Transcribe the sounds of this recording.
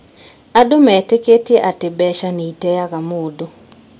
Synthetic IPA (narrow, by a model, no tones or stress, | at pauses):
adomɛteketeʔatɪbɛʃaneitɛjaɡamoodo